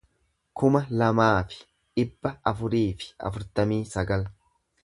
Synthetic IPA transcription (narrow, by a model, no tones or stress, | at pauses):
kʊmɐlɐmaːfɪ̥ | ᶑɪbːɐʔɐfʊɾiːfɪ̥ɐ̰fʊɾt̪ɐmiːsɐɡɐl